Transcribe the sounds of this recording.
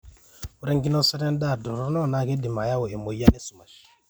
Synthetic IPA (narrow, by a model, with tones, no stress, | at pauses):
wu˨ɾe˦ŋɡi˦no˦sɛ˦dɛ˦n˦da˦˨du˨ɾo˦nɔ˦˨na˦ke˦di˨ma˨ja˦wo˨e˨mo˨ja˦ne˦su˨ma˨ʃ